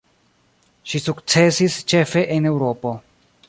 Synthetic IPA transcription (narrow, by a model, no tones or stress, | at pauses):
ʃisukt͡se̞sist͡ʃe̞fe̞ʔene̞wɾo̞po̞